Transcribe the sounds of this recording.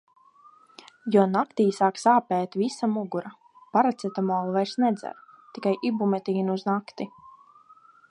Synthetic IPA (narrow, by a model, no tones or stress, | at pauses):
jɔɔnakt̪iːsaːksaːpɛːt̪visamuɡuɾa | paɾat̪sɛt̪amɔːlˠvajɾsnɛd̪zɛ̰ɾ | t̪ikajʔibumɛt̪iːnuuznakt̪i